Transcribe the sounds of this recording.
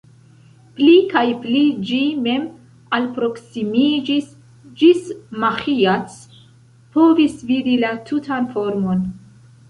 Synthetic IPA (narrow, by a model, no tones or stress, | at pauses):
plikajplid͡ʒime̞m | alpɾo̞ksimid͡ʒis | d͡ʒismaxiat͡s | po̞visvidilatʰutʰanfo̞ɾmo̞n